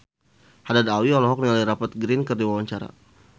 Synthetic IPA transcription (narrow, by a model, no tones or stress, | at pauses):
hadad̪awiɔlɔɦɔk̚nialiɾapat̪̚ɡɾinkərdiwawaɲt͡ʃaɾa̰